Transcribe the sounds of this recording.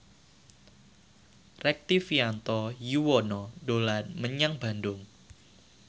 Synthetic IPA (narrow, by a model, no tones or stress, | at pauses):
rɛk̚t̪ifiant̪ɔjuwɔnɔdolanməɲaŋba̤ndʊŋ